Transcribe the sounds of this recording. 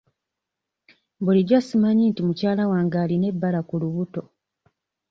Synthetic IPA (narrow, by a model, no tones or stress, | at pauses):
buliɟasimaɲiːntimucaːlawaːŋɡaːline̞bːalakuluβuto̞